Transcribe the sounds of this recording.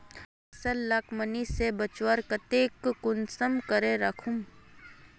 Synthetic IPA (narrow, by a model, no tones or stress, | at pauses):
ɐsəlːakmənisebət͡ʃwəɾkɐt̪eːkːʊnsəmkəɾeɾɐkʰum